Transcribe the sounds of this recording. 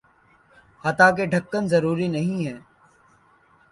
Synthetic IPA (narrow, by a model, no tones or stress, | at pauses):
hɐt̪aːk̬eɖʱəkːənzɐɾuːɾinɐɦĩɦɛː